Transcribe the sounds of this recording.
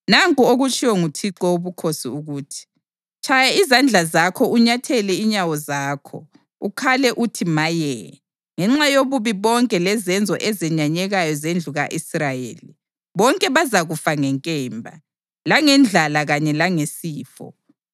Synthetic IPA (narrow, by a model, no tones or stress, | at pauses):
naŋkʼuoɣut͡ʃʰʼiwɔŋutʰiǃɔuβukʰosḭuɣuːtʰi̥ | t͡ʃʰajaizand͡ɮʱazakʰɔuɲatʰɛlɛiɲawɔzaːkʰɔ̰ | ukʰalɛʔutʰimajɛ | ŋɛŋ͡ǁajoβuβiβɔŋkʼɛlɛzɛnd͡zʱɔ̰ʔɛzɛɲaɲɛɣajɔzend͡ɮʱuɣaʔisrajḛːli | βɔŋkʼɛβazaɣufaŋɛŋkʼɛːmbʱa̰ | laŋɛnd͡ɮʱalaɣaɲɛlaŋesiːfɔ̰